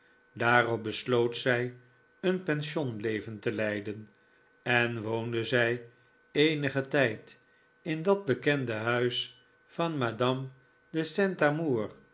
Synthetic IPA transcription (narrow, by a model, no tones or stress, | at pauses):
daːrɔp̚bəslowtsɛj | ənpɛnʃonlejvəntəlɛjdən | ɛnʋowndəzɛj | ejnəχətɛjt | ɪndɑd̚bəkɛndəɦœɥs | fɑnmaːdɑm | dəsɛntamuːr